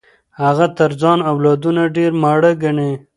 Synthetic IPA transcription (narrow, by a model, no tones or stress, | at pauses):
haɣat̪əɾzɑnawlɑd̪unaɖeɾmaɽəɡaɳe